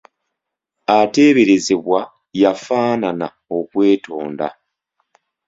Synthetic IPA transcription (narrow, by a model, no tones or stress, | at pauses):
ate̞ːβe̞ɾe̞ze̞βwa | jafaːnana̰ | o̞kwe̞ːtʰo̞ːnda̰